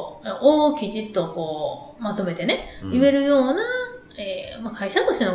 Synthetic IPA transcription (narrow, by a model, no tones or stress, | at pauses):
ʔoːkʲid͡ʑit̪ːo̞ko̞ː | mat̪o̞me̞t̪e̞ne̞ɯβe̞ɾɯ̟jo̞ːna | eːmakaiɕat̪o̞ɕt̪eno